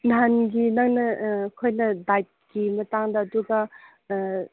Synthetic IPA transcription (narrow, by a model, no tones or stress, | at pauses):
nanɡinɐŋnɐkʰojnɐdajt̚kimɐtaŋdɐɐduɡɐ